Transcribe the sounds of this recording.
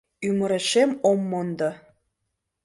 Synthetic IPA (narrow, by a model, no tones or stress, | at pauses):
ymə̆ɾĕʃemomːond̪ɑ